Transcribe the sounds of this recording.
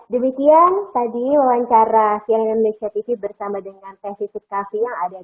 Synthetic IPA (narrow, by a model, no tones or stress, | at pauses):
dəmikiant̪adiwawaɲt͡ʃaɾasiaŋnamnesiat̪ifibərsamadəŋanpasifit̪̚kafijaŋada